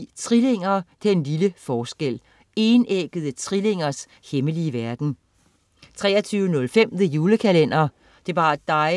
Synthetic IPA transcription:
t͡sʰʁile̝ŋ̰ɐt͡sʰe̝enliləfɒːsɡ̥el̰ | e̝ːneɡ̥əðˠət͡sʰʁile̝ŋ̰ɐs | heməliəʋæɐɡ̥n̩ | t͡sʰʁɛ̰ːɐt͡sʰyːʊənɔ̽lfem̰d̥əjuːləkʰælen̰ɐ | d̥e̝ʋɑ̈ːd̥ɑ̈ɪ

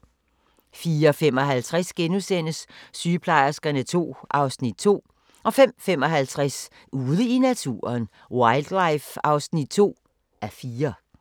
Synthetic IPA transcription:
fiːɐɒfem̰ɒ̽ɦælt͡sʰʁasɡ̥enusen̰əsːyːpʰlɑ̈ɪ̰ɐsɡ̥ɐnət͡sʰo̝̰ːʔɑ̈ʊsnid̥̚t͡sʰo̝̰ː | ʔɒ̽fem̰fem̰ɒ̽ɦælt͡sʰʁas | uːðˠəinæt͡sʰṵːɐn | wɑ̈ɪld̥lɑ̈ɪfɑ̈ʊsnid̥̚t͡sʰo̝̰ː | ʔæɐfiːɐ

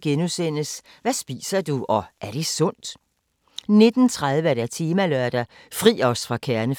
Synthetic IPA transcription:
ɡ̥enusen̰əs | ʋæsb̥ḭːsɐd̥uʔɒ̽ʔæɐɾ̥e̝sɔ̽n̰d̥ | ne̝d̥n̩t͡sʰʁað̞ˠʋəɐɾ̥æt͡sʰiːmælœɐd̥ɐfʁḭːɒ̽sfʁɑ̈kʰæɐnə

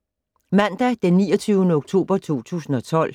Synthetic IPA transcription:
mæn̰d̥æd̥enːiːɒt͡sʰyːʊnəoɡ̥̚t͡sʰo̝̰ːb̥ɐt͡sʰo̝̰ːt͡sʰṵːsn̩ɒ̽t͡sʰɒ̽l̰

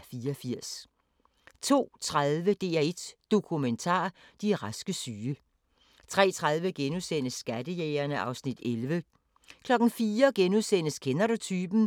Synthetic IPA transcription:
fiːɐɒfiɐ̰s | t͡sʰo̝̰ːt͡sʰʁaðˠʋəd̥e̝ːæe̝d̥d̥o̝kʰument͡sʰɑ̰̈ːd̥iʁɑsɡ̥əsyːə | t͡sʰʁɛ̰ːt͡sʰʁaðˠʋəɡ̥enuðˠsen̰əsːɡ̥ædəjeːɐnəʔɑ̈ʊsnid̥elʋə | kʰlɒ̽ɡ̥n̩fiːɐɡ̥enuðˠsen̰əskʰenɐɾo̝t͡sʰyːb̥n̩

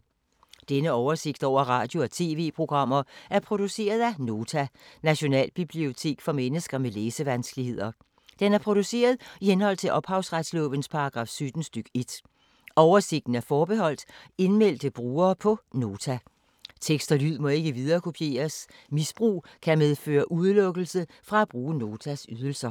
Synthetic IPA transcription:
d̥enəɒʊɐse̝ɡ̥̚d̥ɒʊ̰ɐʁɑ̈ːd̥jo̝ɒ̽t͡sʰe̝̰ːʋe̝̰ːpʰʁo̝ɡ̥ʁɑ̈m̰ɐʔæɐpʰʁo̝d̥use̝̰ːɐð̞ˠæno̝ːt͡sʰænæɕo̝nɛ̰ːlb̥ib̥lio̝t͡sʰe̝̰ːɡ̥fɒ̽menəsɡ̥ɐmeleːsəʋænsɡ̥lihe̝ð̰ˠɐ | d̥enæɐpʰʁo̝d̥use̝̰ːɐð̞ˠihenhɒ̽l̰t͡sʰe̝lʔɒ̽b̥hɑ̈ʊsʁad̥slɔ̰̽ːʋənspʰɑ̈ɑ̈ɡ̥ʁɑ̰̈ːfsød̥n̩sd̥yɡ̥e̝d̥ | ɒʊɐse̝ɡ̥̚d̥n̩æɐfɒːb̥e̝ɦɒ̽l̰d̥e̝nmel̰d̥əb̥ʁuːɐːpʰɒ̽no̝ːt͡sʰæ | t͡sʰeɡ̥sd̥ɐlyð̰ˠmɒ̽e̝ɡ̥əʋið̞ˠɐːkʰo̝pʰje̝̰ːɐsmisb̥ʁṵː | kʰæmeðˠfø̰ːɐʔuðˠlɔ̽ɡ̥l̩sə | fʁɑ̈æb̥ʁuːəno̝ːt͡sʰæsyð̞ˠl̩sɐ

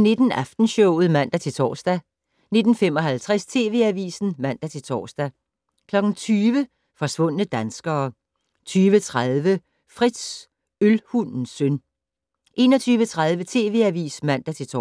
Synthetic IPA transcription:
ne̝d̥n̩æfd̥n̩ɕɔʊ̰ð̩ˠmæn̰d̥æt͡sʰe̝lt͡sʰɒ̰ːsd̥æ | ne̝d̥n̩fem̰ɒ̽ɦælt͡sʰʁɛst͡sʰe̝̰ːʋe̝æʋḭːsn̩mæn̰d̥æt͡sʰe̝lt͡sʰɒ̰ːsd̥æ | kʰlɒ̽ɡ̥n̩t͡sʰyːʋə | fɒ̽sʋɔ̽n̰ənəd̥ænsɡ̥ɐː | t͡sʰyːʋət͡sʰʁaðˠʋə | fʁid̥s | ølhunn̩søn | ʔe̝ːnɒ̽t͡sʰyːʋət͡sʰʁaðˠʋət͡sʰe̝̰ːʋe̝æʋḭːsmæn̰d̥æt͡sʰe̝t͡sʰː

